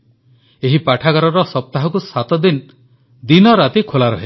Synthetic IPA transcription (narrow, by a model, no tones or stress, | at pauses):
eɦipaʈʰakaɾɔɾɔsɔp̚t̪aɦɔkusat̪ɔd̪in | d̪inɔɾat̪ikʰolaɾɔ̰ɦe